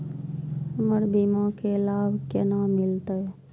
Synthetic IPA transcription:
məɽbimãkelaːbkenaːmɪlt̪əe

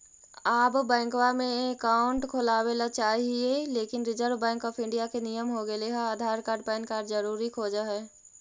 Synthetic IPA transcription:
aːbbɛ̃ːŋkwamẽekaːʊɳʈkʰolaːwelat͡ʃaːɦieleːkɪnɾɪd͡ʒəɾʋbɛ̃ːŋkɔːpʰɪ̃ɳɖijakenijəmɦoɡeleɦaaːd̪ʱaːɾkaːɾɖ̚pɛːnkaːɾɖd͡ʒəɾuːɾikʰoːd͡ʒaɦɛ

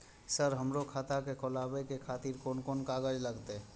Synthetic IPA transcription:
səɾɦəmɾokʰat̪akekolabekekʰat̪iɾkonkonkaɡəd͡ʒləɡt̪ɛ

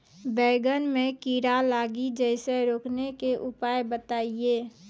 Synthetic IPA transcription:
bɛːɡənmẽkiːɾalaːɡid͡ʒɛɪseɾoːknekeʔʊpaːjbət̪aːieː

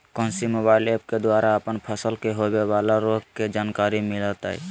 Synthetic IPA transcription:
kɔ̃nsimobailepked̪waɾaəpənpʰəsəlkeɦobeβalaɾoɡked͡ʒankaɾimilət̪a̰ḭ

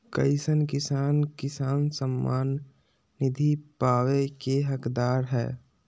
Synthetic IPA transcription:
kə̰ɪsənkɪsaːnkɪsaːnsəmːa̰ːnː | ɪd̪ʱipaːʋekeɦəkd̪aːɾɦɛ̰ː

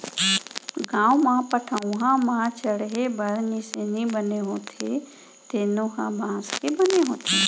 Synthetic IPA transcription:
ɡãːwmãpəʈʰaũɦãmãt͡ʃəɽɦebɐɾnisenĩbəneɦõːt̪ʰe | t̪eːnõːkãbʱãːskebəneɦõːt̪ʰeː

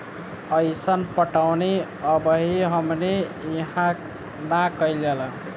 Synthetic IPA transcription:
əjsənpəʈawne | əbəɦiɦəmneiɦã | nakəjlel

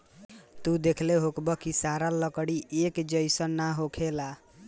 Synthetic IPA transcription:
t̪ud̪ekʰleɦokbʌkisaɾalʌkɽiʔekd͡ʒʌjsʌnaɦokʰela

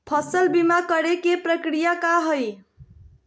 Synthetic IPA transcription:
pʰəsəlbimakəɾekepɾəkɾijakaɦəj

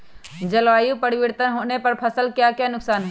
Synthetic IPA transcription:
d͡ʒəlʋaːjũpəɽɪʋiɾt̪ənɦoːnepɐɾpʰəsəlkjaːkjanʊksaːnɦɛ

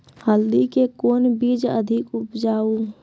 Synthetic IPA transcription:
həld̪ikekoːnbiːd͡ʒə̰d̪ʱɪkʊpd͡ʒaːu

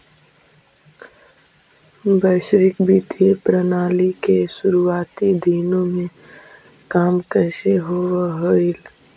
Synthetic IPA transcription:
bəːʃɾɪkbiːt̪iepɾənaːlikeʃʊɾuaːt̪id̪ʱiːnõmẽ | kaːmkəʃeɦowɦoil

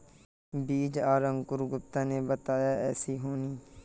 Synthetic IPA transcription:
biːd͡ʒaːɾəŋɡkʊɾɡʊp̚t̪ãːneːbət̪aːjaːɛːsiːɦoːniː

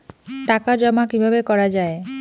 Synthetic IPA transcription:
ʈakad͡ʑɔmakibʱabekɔɾad͡ʑae

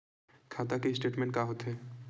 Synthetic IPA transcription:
kʰaːt̪akeɪsʈeːʈmẽːɳʈkaɦoːt̪ɦɛː

